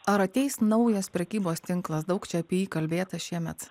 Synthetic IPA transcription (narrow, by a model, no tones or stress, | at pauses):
ɐɾɐt̪ʲɛɪsnɒʊjɛspʲɾʲɛkʲiːboːst̪ʲɪŋklˠɐsd̪ɐʊkt͡ʃʲɛɐpʲiɛjiːkɐlʲbʲeːt̪ɐʃʲiɛmʲɛt̪